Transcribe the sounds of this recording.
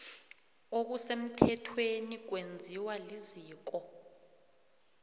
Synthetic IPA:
ok̬usem̩tʰɛtʰwenik̬wend͡zʱiwaliziːk̬ɔ

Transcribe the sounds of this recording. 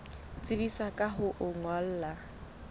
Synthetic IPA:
t͡sʼɪbisakʼaɦʊʔʊŋɔl̩ːla

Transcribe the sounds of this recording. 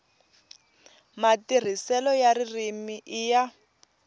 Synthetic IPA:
matir̤isɛlɔjaririmiʔija

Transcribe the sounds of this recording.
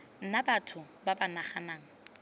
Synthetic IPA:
n̩nabatʰʊ | babanaχanaːŋ̩

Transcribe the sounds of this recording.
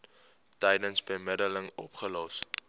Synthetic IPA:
tɛjdənsbəmədələŋɔpχəlɔs

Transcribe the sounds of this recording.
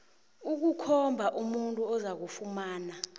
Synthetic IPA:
uk̬ukʰɔmbʱaʔumuntʼuɔzak̬ufumaːna

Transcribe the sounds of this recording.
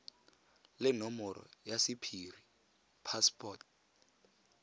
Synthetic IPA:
lɪnɔmɔɾɔ̰jasipʰiri | pʰaspʰʼɔt̚

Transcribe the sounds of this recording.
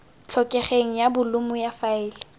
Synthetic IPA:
t͡ɬʰɔkʼɛχeŋ̩jabʊlʊmʊjafaɪːlɪ

